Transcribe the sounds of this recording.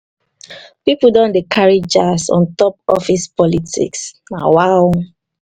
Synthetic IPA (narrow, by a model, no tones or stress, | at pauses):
pipudɔ̃ndikʰaɹid͡ʒasɔ̰̃ntɔpɔfispɔlitḭks | na̰waw